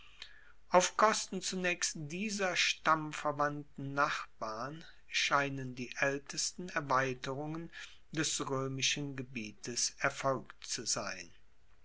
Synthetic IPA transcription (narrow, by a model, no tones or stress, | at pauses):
ʔaʊfkʰɔstn̩t͡sunɛːkstd̥iːzɐʃtamfɛɐvantn̩naχb̥aːʁn | ʃaɪnəndiːʔɛltəstn̩ɛɐvaɪtəʁʊŋən | d̥ɛsʁøːmɪʃənɡəbiːtʰəsʔɛɐfɔlkt͡suzaɪn